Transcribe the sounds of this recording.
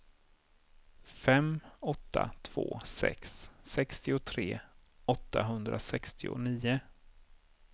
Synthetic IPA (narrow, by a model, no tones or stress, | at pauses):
fɛmɔt̪ːat̪ʰv̥o̰ːsɛ̰ksːɛkst̪ɪʊt̪ʰɾeːɔt̪ːaɦɵnd̪ɾʔasɛkst̪ʰɪʊ̰niːʊ